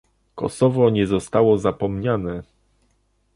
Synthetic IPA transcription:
kɔ̰sɔvɔɲɛzɔst̪awɔzapɔmɲanɛ

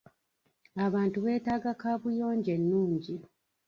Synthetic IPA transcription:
aβaːntuβe̞ːtaːɡakaːβujo̞ːɲɟe̞nːuːɲɟi

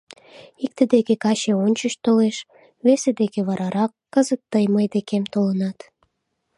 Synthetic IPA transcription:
ik̚t̪əd̪ekekɑɕeonʲt͡ɕəʃt̪oleʃ | βesed̪ekeβɑɾɑɾɑkːəzət̪ːəjməjd̪ekemt̪olənɑt̪

